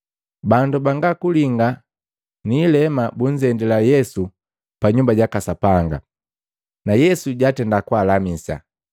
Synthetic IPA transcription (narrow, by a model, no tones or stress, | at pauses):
bandubaŋɡakuliŋɡa | niːlɛmabuɲd͡ʒɛndilajɛsu | paɲumbaɟakasapaŋɡa̰ | najɛsuɟatɛndakwaːlamisa̰